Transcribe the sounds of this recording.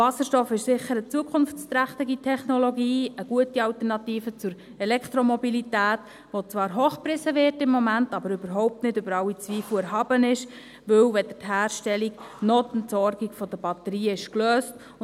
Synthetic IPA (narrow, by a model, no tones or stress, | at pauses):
ɑsəʃtɔfɪʃsɪχːəɾət͡suəkʰχʊnft͡st̪ɾæχt̪ɪɡitʰɛχnɔlɔɡiːəɡ̥uətiɑltənɑtiːfət͡sʊɾ | ɛlɛkʰt̪ɾɔmɔbilitæːt | ʋot͡sʋɑːɾɦoːχprɪsəʋɪrtɪmːɔmæntɑbəɾybəɾɦɔʊp̚tnɪdøbəɾɑwit͡sʋiːfluɛɾɦɑːbənɪʃ | ʋɵwʋɛd̥ətɦæːrʃtɛliɡnɔːt̪ntsɔɾɡiɡfɔd̥̪əb̥ɑtəɾiːəɪʃkløːst